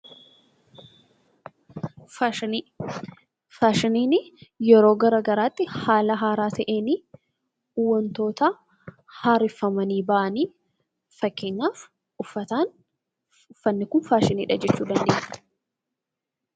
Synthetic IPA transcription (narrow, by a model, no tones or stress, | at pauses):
faːʃɪniːnɪjɛɾo̞ːɡɐɾɐɡɐɾaːt̪ːɪhaːlɐɦaːɾaːt̪ʰɐʔe̞ːniː | ʊwːɐnt̪o̞ːt̪ɐ | haːɾɪfːɐmɐniːbɐʔɐniː | fɐkːeːɲːaːf | ʊfːɐt̪aːn | ʊfːɐnːɪkʊnfaːʃɪniːᶑɐd͡ʒɛt͡ʃːuːd̪ɐnd̪eːfɐ̥